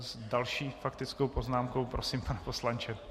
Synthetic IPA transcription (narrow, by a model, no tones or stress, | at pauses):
zdalʃiːfakt̪ɪt͡skowpo̞znaːmko̞wpɾosimpanɛposlant͡ʃɛ